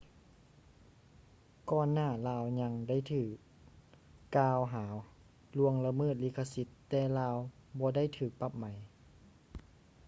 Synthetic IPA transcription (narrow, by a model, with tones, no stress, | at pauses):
kɔː˧nːaː˥˩laː˧wɲa˧ŋda˥˩˨jt̪ʰɯː˨˧˩k̚ː | aː˧wɦaː˩˦w | lu˧əŋla˧mɤː˥˩t̪̚liː˧˥˩kʰa˧si˧˦t̪ːɛː˧laː˧wbɔː˧˦da˥˨jt̪ʰɯː˨˩˦k̚pa˧˩p̚ma˩˦j